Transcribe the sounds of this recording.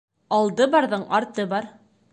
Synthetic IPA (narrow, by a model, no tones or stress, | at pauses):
ɑlˠd̪ɤbɑɾðɤɴɑɾt̪ɤbɑɾ